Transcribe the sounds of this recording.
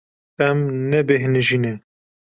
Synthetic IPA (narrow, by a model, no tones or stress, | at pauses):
ɛmnɛbeɦnɨʒiːne